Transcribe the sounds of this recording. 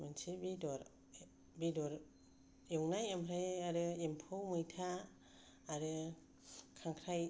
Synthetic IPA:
mansibidɔɾ | bidɔɾ | jɔŋnajamɾajaɾɯempʰowmɯjtʰaː | ɾɯ | kʰaŋkʰɾaj

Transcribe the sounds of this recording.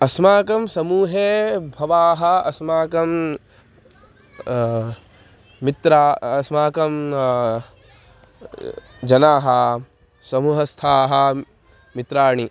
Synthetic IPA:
ɐsmaːkɐmsɐmuːɦeːbʱɐʋaːɦɐɐsmaːkɐm | mit̪ɾaːɐsmaːkɐm | d͡ʒɐnaːɦɐ | sɐmuːɦɐst̪ʰaːɦɐ | mit̪ɾaːɳ̃i

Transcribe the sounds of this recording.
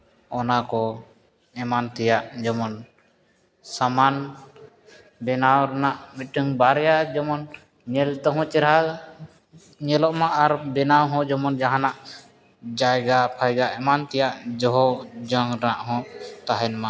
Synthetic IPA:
ɔnakɔ | ɛmant̪ɛjaʔd͡ʒɔmɔn | saman | bɛnawɾɛnaʔmiʈəŋbaɾɛjad͡ʒɔmɔn | ɲɛlt̪ɔɦɔ̃t͡ʃɛɾɦa | ɲɛlɔʔmãʔaɾbɛnawɦɔ̃d͡ʒɔmɔnd͡ʒaɦanaʔ | d͡ʒajɡapʰajɡaʔɛmant̪ɛjaʔd͡ʒɔɦɔd͡ʒɔŋɾnaʔɦɔ̃t̪aɦɛnmã

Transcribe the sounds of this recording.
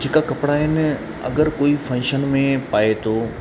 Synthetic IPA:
d͡ʑeːkakɐpɪɽaɦɪnɪ̆ | ɐ̰ɡəɾkoːifʰɐ̃ːʃənmẽpaːet̪ʰo

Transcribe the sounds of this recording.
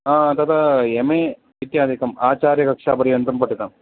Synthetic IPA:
aːɐt̪ɐːt̪aemeː | ʋit̪jaːd̪ʱikɐmaːt͡ʃaːɾjɐkɐkʂaːpɐɾijɐndɾɐmpɐʈːit̪ːaːm

